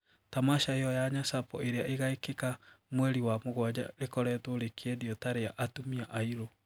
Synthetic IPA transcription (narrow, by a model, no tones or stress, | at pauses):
tamaʃaejɔjaɲasapɔ̰eɾeaʔeɣaekekamwɛɾiwamoɣwad͡ʑa̰ɾekɔɾɛtoɾekʰeeðiɔtaɾeaʔatumiaʔaiɾo